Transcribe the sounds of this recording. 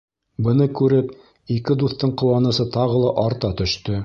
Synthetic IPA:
bɤ̆nɤkʉɾɘp | ikɘd̪uθt̪ːɤɴqŏwɑnɤ̆sɤt̪ɑʁɤ̆lˠɑʔɑɾt̪ɑt̪ɵ̆ʃt̪ɵ

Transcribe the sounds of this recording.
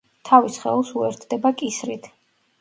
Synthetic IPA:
t̪ʰavisχɛ̰lˠsuɛɾt̪ʰd̪ɛbakʼisɾit̪ʰ

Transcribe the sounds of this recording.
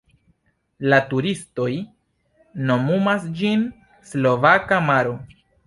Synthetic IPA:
latuɾisto̞j | no̞mumasd͡ʒin | slo̞vakamaɾo̞

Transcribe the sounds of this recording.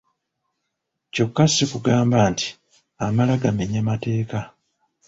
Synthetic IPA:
co̞kːasikuɡaːmbaːnti̥ | amalaɡameɲamate̞ːka

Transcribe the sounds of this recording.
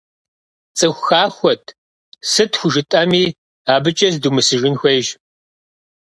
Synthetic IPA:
t͡sʼɨxʷxaːxʷɔtʰ | sɨtʰxʷʊʒɨtʼɐmiː | aːbɨt͡ʃʼɐzdumɨsɨʒɪnxʷɐjʒ

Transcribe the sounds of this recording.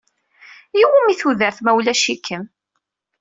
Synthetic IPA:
jiwæmiθuðəɾθmæwlæʃikːəm

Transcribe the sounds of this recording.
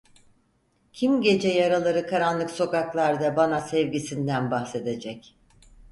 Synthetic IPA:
cʰimɟe̞d͡ʒɛjaɾalˠaɾɯkʰaɾanlˠɯkso̞kaklˠaɾd̪abanasɛvɟisind̪ænbaxse̞d̪e̞d͡ʒɛc

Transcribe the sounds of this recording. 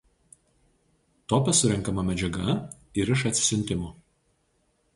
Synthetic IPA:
t̪ɔpʲɛsʊɾʲɛŋˑkɐmɐmʲɛd͡ʒʲɛɡɐ | ɪɾɪʃɐt̪ʲsʲɪ̥sʲɪnʲt̪ʲɪmuː

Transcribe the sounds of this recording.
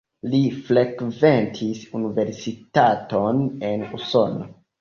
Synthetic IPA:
lifɾekventʰisunive̞ɾsitatonenuso̞no

